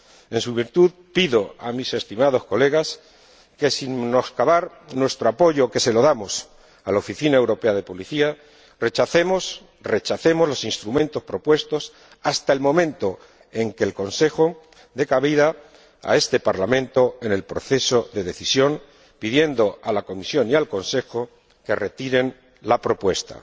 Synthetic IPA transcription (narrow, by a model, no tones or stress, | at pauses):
e̞nsuβiɾt̪uð | piðo̞amise̞st̪imað̞o̞sko̞le̞ɣ̞as | ke̞sinno̞skaβaɾ | nwe̞st̪ɾoapo̞ʝo̞ke̞se̞lo̞ðamo̞s | alaofiθinae̞wɾo̞peað̞e̞po̞liθia | re̞t͡ʃaθemos | ret͡ʃaθe̞mo̞zlo̞sinst̪ɾumẽ̞nt̪o̞spɾo̞pwe̞st̪o̞s | ast̪aelmõ̞mẽ̞nt̪o̞ | e̞ŋke̞lko̞nse̞xo̞ | d̪e̞kaβið̞a̰ː | e̞st̪e̞paɾlamẽ̞nt̪o̞e̞ne̞lpɾo̞̰θe̞so̞ðe̞ðe̞θisjo̞ŋ | piðje̞nd̪o̞alako̞misjo̞nialko̞nse̞xo | ke̞re̞t̪iɾe̞n | lapɾo̞pwe̞st̪a̰